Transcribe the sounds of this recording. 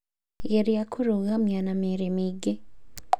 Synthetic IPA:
jeɾijakʰuɾuɣamjanameɾemiɡe

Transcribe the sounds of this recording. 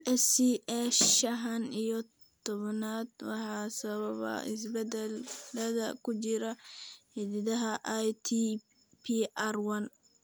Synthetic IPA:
ʔɛsiʔɛʃʃɐɦɐnijɔ | t̪ʰɔβɐnaːd̪wɑħɑːsɐβɐβɐ̰ɪs̬bɛd̪ɛlːɐðɐ̰kʰʊt͡ʃɪɾɐhiðɪðɐɦɐʔajt̪ʰi | pʰiʔarwɐn

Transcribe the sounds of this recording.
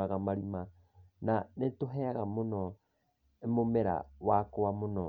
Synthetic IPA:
aɣamaɾima | nanetoɦeaɣamono | emomeɾa̰wakowamono

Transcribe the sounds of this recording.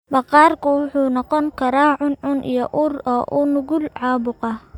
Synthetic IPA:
bɐqɑːrkʰʊwʊħuːnɔqɔŋkʰɐɾaːʕʊnʕʊnʔḭjɔʔuːrɔːʔuːnʊɣʊlʕɑːbʊqɑ

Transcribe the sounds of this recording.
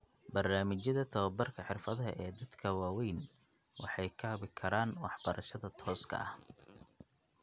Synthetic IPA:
bɐrnaːmɪt͡ʃjɐðɐt̪ʰɐwɐbɐrkʰɐħɪrfɐðɐɦɐ̰ʔɛːd̪ɐd̪kʰɐwaːwɛjn | wɑ̰ħɑjkʰɐβɪkʰɐɾaːnwɑħb̥ɐɾʔɐʃɐðɐt̪ʰɔːskʰɐ̰ɐh

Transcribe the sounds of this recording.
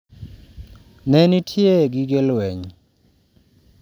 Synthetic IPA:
nɛnitʰieɡiɡelwɛɲ

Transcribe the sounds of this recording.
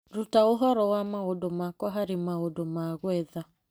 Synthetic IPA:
ɾutaoɦɔɾɔwamaodomakɔɦaɾemaodomaɣwɛða

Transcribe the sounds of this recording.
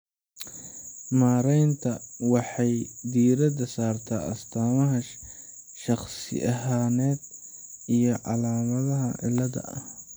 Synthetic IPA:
maːɾɛjnt̪ʰɐwɑħɑjd̪iːɾɐd̪ɐsaːrt̪ʰaːʔɐst̪ʰaːmɐɦɐ | ʃɑχsɪ̰ʔɐɦaːnɛːd̪ | ijɞʕɑlaːmɐðɐɦɐ̰ʕɪ̰lːɐðɐ̰ʔɐ̰h

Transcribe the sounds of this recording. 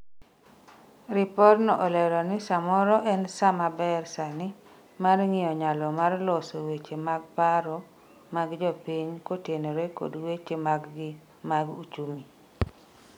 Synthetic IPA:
ɾɪpɔɾnɔʔɔlɛɾɔnɪsamɔɾɔʔɛnsamabɛrsanɪ | marŋɪɔɲalɔmarlɔsowet͡ʃemaɡ̚paɾɔ | maɡd͡ʒɔpiɲkoteneɾeko̰dwet͡ʃemaɡɡɪ | maɡut͡ʃumi

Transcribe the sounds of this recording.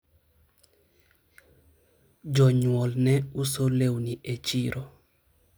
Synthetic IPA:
d͡ʒɔɲwɔlnɛusolewniʔet͡ʃiɾʔo

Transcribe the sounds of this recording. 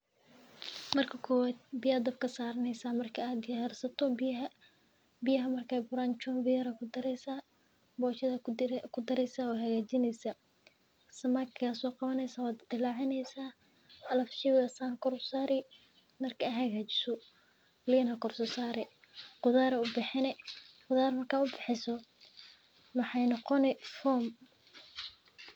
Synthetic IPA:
mɐrkʰɐkʰɔːwaːd̪̚bɪjɐɐd̪ɐbkʰɐsaːɾɐnɛjsaːmɐrkʰɐaːd̪ɪjarsɐt̪ʰɔbɦɐ | bɪjɐɦɐmɐrkʰaːjbʊɾaːnt͡ʃɔːnvɪjɐɾɐkʰʊd̪ɐɾɛsa | bɔːt͡ʃɐðɐkʰʊd̪ɐɾɛjsaɔːɦɐɣaːt͡ʃɪnɛjsɐ | sɐmakʰasɔːqɑβɐnɛjsaːwaːd̪d̪ɪlaːʕɪnɛjsaː | ɐlɐfʃɪðɐsankʰɔrsaːɾɪ | mɐrkʰːjɦɐɣaːt͡ʃɪ̥sɔ | liːnhɐkʰɔrsɔsaːɾɛ | qʊðaːɾɛʊbɪħɪnɛqʊðaːrmɐrkʰaːʊbɪħɪsɔ | mɑħɑjnɔqɔnɛfɔːm

